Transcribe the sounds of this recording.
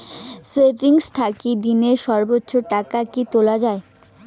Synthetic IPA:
sepiŋst̪ʰakid̪ineɾʃɔɾbotːɕʰoʈakakitolad͡ʑae

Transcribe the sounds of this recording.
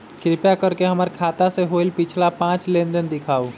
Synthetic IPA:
kɾipjakəɾkeɦəməɾkʰat̪aseɦoilpit͡ʃʰlapãt͡ʃlend̪ənd̪ikʰaːu

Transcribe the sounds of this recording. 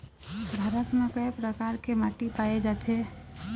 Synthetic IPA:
bʱaːɾət̪mẽkəepɾəkaːɾkemaːʈipaːed͡ʒat̪ʰe

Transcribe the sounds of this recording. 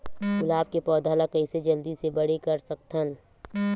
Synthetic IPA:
ɡʊlaːb̚kepɔːd̪ʱaːlakɐɪsed͡ʒɐld̪isebɐɽ̤ekɐɾsɐk̚t̪ʰən

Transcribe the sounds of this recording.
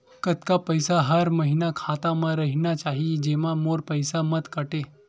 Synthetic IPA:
kət̪kapəjsaɦəɾməɦinakʰat̪aməɾəɦinjat͡ɕaɦid͡ʑeʋamoɾpəjsamət̪kəʈe

